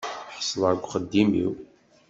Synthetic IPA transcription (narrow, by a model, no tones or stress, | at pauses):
ħə̥sləɡʷχəd̪ːimḭw